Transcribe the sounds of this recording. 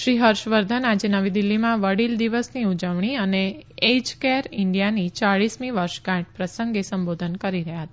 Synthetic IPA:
ʃɾiɦəɾʃʋəɾd̪ʱənad͡ʒenəʋid̪ilːimãʋəɽild̪iʋəsniud͡ʒəʋɳ̃iəneed͡ʒkeɾɪɳɖijanit͡ʃaɭismĩʋəɾʃɡãʈ̚pɾəsəŋɡesəmbod̪ʱənkəɾiɾəɦjaɦət̪a

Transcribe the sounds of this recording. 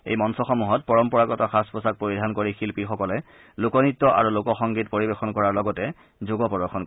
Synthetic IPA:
ḛjmɔnsɔxɔmuɦɔt̚pɔɹɔmpɔɹakɔtaxaspɔsak̚poɹidʱankoɹixilpixɔkɔlɛ | lokɔnitːɔʔa̰ɹulokɔxɔŋɡitpoɹibexɔnkɔɹaɹlɔɡɔtɛ | zoɡɔpɔdɔxɔnko

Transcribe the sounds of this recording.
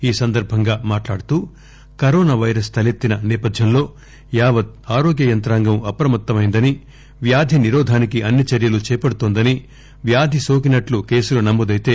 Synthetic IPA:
iːsɐnd̪ɐɾbʱɐŋɡaːmaːʈlaːɽut̪uː | kɐɾoːnaːʋɐjɾɐst̪ʰɐlet̪ːinɐnɛːpɐd̪ʱjɐmlo̞ː | jaːʋɐt̪̚aːɾoːɡjɐjɐnt̪ɾaːŋɡɐmɐpɾɐmɐt̪ːɐmɐjind̪ɐni | ʋjaːd̪ʱiniɾɔːd̪ʱaːnikiʔɐnːit͡ʃɐɾjɐlut͡ʃɛːpɐɽut̪oːnd̪ɐni | ʋjaːd̪ʱisoːk̬inɐʈluke̞ːsulɐnɐmːud̪ɐjt̪e̞ː

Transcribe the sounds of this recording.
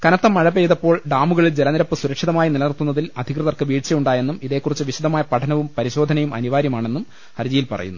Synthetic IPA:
kɐnɐt̪ːɐmːɐɻɐpːejðɐpːo̞ːɭɖaːmuɣɐɭild͡ʑe̞lɐniɾɐpːɨsuɾɐkʂiðɐmaːjinilɐnirt̪unːɐðilɐd̪ʱikrɨɐðɐrkɨʋiːɻt͡ɕɐjuɳɖaːje̞nːumiðe̞ːkːurit͡ɕːɨʋiɕud̪ɐmaːjɐpɐʈʰɐnɐʋumpɐɾiɕo̞ːd̪ʱɐnɐjumɐ̰niʋaːɾjɐmaːɳe̞nːum | hɐɾd͡ʑijilpɐ̰rɐ̰junːu

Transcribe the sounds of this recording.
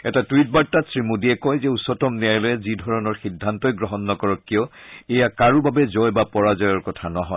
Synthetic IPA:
ɛtatwit̚baɹtːatsɹimudiɛkɔjzɛusɔtɔmniajlɔjɛzidʱɔɹɔnɔɹxidʱːantɔjɡɹɔɦɔnːɔkɔɹɔkːijɔɛjakaɹubabɛzɔjbapɔɹazɔjɔɹkɔtʰanɔɦɔj

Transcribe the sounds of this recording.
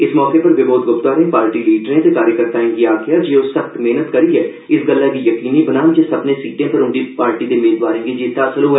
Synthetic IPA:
ɪsmɔːkeːpəɾʋɪboːd̪̚ɡʊpt̪aːɾẽːpaːɾʈiːliːɖɾẽːt̪ekaːɾjəkəɾt̪aːẽːɡiaːɡɪjaːd͡ʒiːoːsəxt̪meːnət̪kəɾiːɛː | ɪsɡəlːakiːjəkiːniːbənaːmd͡ʒeːsəbnẽːsiːʈẽːpəɾʊ̃ɳɖiːpaːɾʈiːd̪eːmeːd̪ʋaːɾẽːɡed͡ʒeːt̪asəloɦɛː

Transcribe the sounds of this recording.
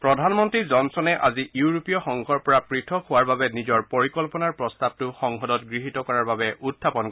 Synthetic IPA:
pɹɔdʱanmɔntɹizɔnsɔnɛʔa̰ziʔjuuɹopijɔxɔŋkʰɔɹpɔɹapɹitʰɔkhʊwaɹbabɛnizɔɹpɔɹikɔlpɔnaɹpɹɔstab̚tʊxɔŋɦɔdɔtɡɹiɦitɔkɔɹaɹbabɛʔutʰːapɔn

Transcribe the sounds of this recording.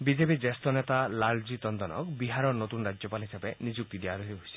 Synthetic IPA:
bid͡ʒepid͡ʒest̪ɔnet̪alald͡ʒit̪ɔnd̪ɔnɔ̰kbiɦaɾɔnot̪unɔɾad͡ʒjɔpalɦisebenid͡ʒuk̚t̪id̪eaɾuɦiɦosi̥

